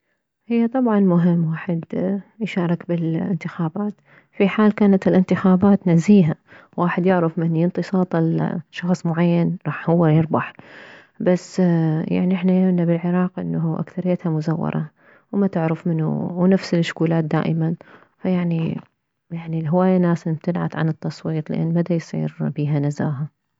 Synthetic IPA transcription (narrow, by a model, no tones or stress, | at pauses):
hɪjːat̪ˤɑbʕɑnmʊɦɪmːwaːħɪd̪jʃɑːɾˤɑkbɪlɪ̰nt̪ɪxaːbaːt̪ | fiħaːlkaːnat̪ɪlʔɪnt̪ɪxaːbaːt̪naziːɦa | wʔaːħɪd̪jɪʕɾɪfmɪnjɪnt̪ɨsˤɑːt̪ˤɪlʃːɑxsˤmʊʕajːanɾˤɑːħhʊwːajɪɾˤbɑħ | basːja̰ʕniʔɪħnajamnabɪlʕɪɾˤɑːqʔɪ̰nːaɦuʔa̰kθaɾɪjːat̪hamʊzawːɑ̰ɾˤɑ̰ | wmat̪ɪʕɾɪfmɪnṵwnafsɪlɪʃːʊ̥kuːlaːt̪̚d̪a̰ːʔɪman | fajaʕni | jaʕnilɦɪwaːjanaːsɪbt̪ɪlʕa̰t̪ʕa̰nɨt̪ːɑsˤwiːt̪ˤlɪ̰ʔa̰nːmad̪ajsˤḭːɾbiːɦanazaːɦa